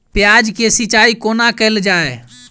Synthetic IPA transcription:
pɪjaːd͡ʒkesɪt͡ʃaːikoːnakəɪld͡ʒaːe

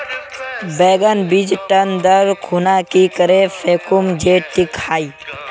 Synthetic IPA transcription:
beːɡənbid͡ʒʈənd̪əɾkʰunakikəɾefʰeːkumd͡ʒeʈikhaːi

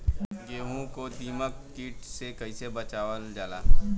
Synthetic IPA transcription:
ɡeːɦũkod̪iːməkːiːʈsekɐisebət͡ʃaːʋəld͡ʒaːla̰ː

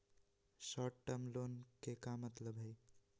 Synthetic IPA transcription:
sɔʈʈːəmlonkekamːət̪ləbɦəj

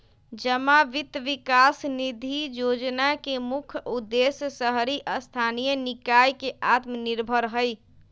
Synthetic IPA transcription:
d͡ʒəmaʋit̪ʋikasnid̪ʱijod͡ʒnakemukʰud̪ːesjsəɦɾiʔəst̪ʰanijənikajkeʔat̪məniɾbʱəɾɦəj

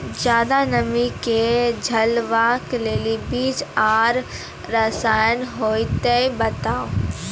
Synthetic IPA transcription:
d͡ʒjaːd̪anɐmiked͡ʒʱɐlʋaːkleːlibiːd͡ʒaːɾː | ɐsaːjənɦoːit̪eibɐt̪aːo

